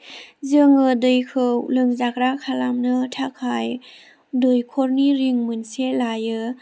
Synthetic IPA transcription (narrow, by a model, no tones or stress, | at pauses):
zɯŋɯdɯjkʰɯwlɯŋzak̚ɾakʰalamnɯtʰakʰaj | dɯjkʰɔɾniɾiŋmɯnselajɯ